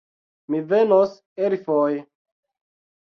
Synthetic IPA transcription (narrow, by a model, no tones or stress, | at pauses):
mivenos | eɾfoj